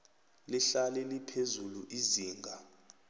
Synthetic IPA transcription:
liɬalɛlipʰezuluʔiziːŋɡʱa

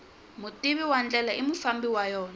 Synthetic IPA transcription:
mʊtʼiβiwand͡ɮɛlaʔimufambiwajɔːna

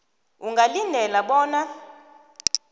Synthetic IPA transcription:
uŋɡalindʱɛlaɓɔːna

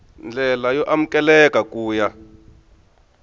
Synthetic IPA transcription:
nd͡ɮɛlajɔʔam̩kʼɛlɛkakuːja

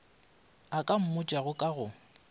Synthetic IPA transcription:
akʼam̩mʊt͡ʃʼaɣʊkʼaɣʊ

